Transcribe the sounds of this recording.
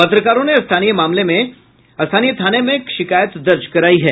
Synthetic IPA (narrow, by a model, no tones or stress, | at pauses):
pɐt̪ɾəkaːɾõneɐst̪ʰaːnijəmaːmlemẽ | ɐst̪ʰaːnijət̪ʰaːnemẽkʃɪkaːjət̪d̪ɐɾd͡ʒkɐɾaːiɦɛː